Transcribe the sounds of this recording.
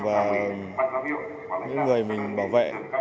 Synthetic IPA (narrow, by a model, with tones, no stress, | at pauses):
vaː˨˩ | ɲɨ̰˧˥ŋːɨ˨˩əjmï˨˩ŋ̟ɓaː˧˩wvḛ˧˨